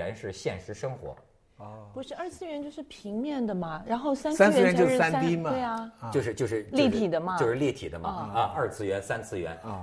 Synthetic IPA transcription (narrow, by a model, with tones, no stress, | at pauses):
ɛ̰˧˥nʂɻ̩˥˧ɕjɛ˥˩nʂɻ̩˧˥ʂɤ˥ŋxwɔ̰˧˥ | pu˧˥ʂɻ̩˥˧ɐ˞˥˩t͡sʰɹ̩˥˩ɥɛ˧˥nt͡ɕjʊʂɻ̩˥˩pʰi˧˥ŋmjɛ˥˩nd̪ə˩mɐ˩ɻa˧˥nxo˥˩ʊsa˥nsa˥nt͡sɹ̩˧˥˧ɛ˥nt͡ɕo˥˧ʂ̩˥sa˥n˥t̪i˥mɐ˧e˥˩ɪɐ˩t͡ɕjo˥˧ʊʂɻ̩˥˧t͡ɕjo˥˧ʊʂɻ̩˥˧˩li˥˩t̪ʰi˨˩d̪ə˦mɐ˧jo˥˧ʊʂɻ̩˥˧ljɛ˥˩t̪ʰḭ˨˩d̪ə˦mɐ̰˧ə˧ɐ˥˩˧t͡sʰɹ̩˥˩ɥɛ˧˥nsa˥nt͡sʰɹ̩˥˩ɥɛ̰˧˥n